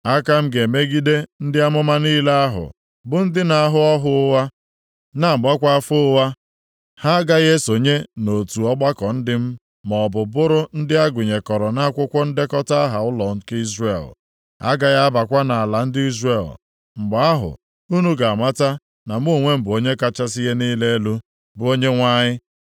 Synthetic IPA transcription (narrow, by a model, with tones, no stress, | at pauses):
a˦ka˦m̩˦ɡe˨me˦ɡi˦de˦n̩˦dɪ˦a˦mʊ˦ma˦niː˦la˦a˦ɦʊ̰˨ | bʊ˨n̩˦dɪ˦na˨a˦ɦʊ˦ɔ˦ɦʊ˦ʊ˦wa˦ | na˦˨ɡ͡ba˦kʷa˦fʊ˦ʊ˦wa˦ | ha˦ɡa˦ɣe˦so˨ɲe˦no˨tu˨ɔ˦ɡ͡ba˦kɔ˨n̩˦dɪ˦m̩˦ | mɔ˨bʊ˨bʊ˦ɾʊ˦n̩˦dɪ˦a˦ɡʷʊ˨ɲe˨kɔ˨ɾɔ˨na˦kʷʊ˦kʷʊ˦n̩˦dɪ˦kɔ˦ta˦a˦ɦa˨ʊ˦lɔ˨ŋ̩˦ki˦zre˨l | a̰˦ɡa˨ɣa˦ba˨kʷa˦na˨a˨la˨n̩˦dɪ˦i˦zre˦˨l | ŋ͡m̩˨ɡ͡ba˨a˦ɦʊ̰˨ | u˦nu˦ɡa˨a˨ma˦ta˦ | na˨m̩˦o˦˨ŋʷe˦m̩˨bo˦ɲe˦ka˦t͡ʃa˦s̬i˦ɦe˦niː˦le˦lu˦ | bʊ˦o˦ɲe˦ŋʷa˦ɲɪ˦